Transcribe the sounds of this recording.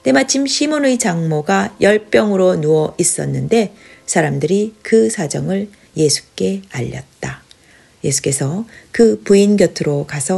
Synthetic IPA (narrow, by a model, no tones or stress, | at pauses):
te̞mat͡ɕʰimɕʰimonɯit͡ɕaŋmoɡajʌɭp͈jʌŋɯɾonuʌʔis͈ʌ̰nːɯnde̞ | sʰaɾamdɯɾikɯsʰad͡ʑʌŋɯɭ | je̞sʰu̥k͈e̞aʎːʌ̰t̚t͈a | je̞sʰu̥k͈e̞sʰʌkɯpuinɡjʌtʰɯɾokasʰʌ